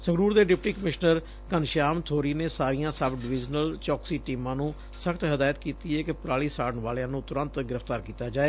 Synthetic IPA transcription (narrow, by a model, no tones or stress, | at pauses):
səɡɾuːɾd̪eːɖɪpʈiːkəmɪʃnəɾ | kənʃaːmt̪ʰoːɾiːneːsaːɾijãːsəbɖʋɪd͡ʒnəlt͡ʃɔːksiːʈiːmãːnũː | səkʰt̪ɦəd̪aːjət̪kiːt̪iːɛːkɪpɾaːɭiːsaːɽəɳʋaːlãːnũːt̪ʊɾə̃nt̪ɡɪɾəft̪aːɾkiːt̪aːd͡ʒaːeː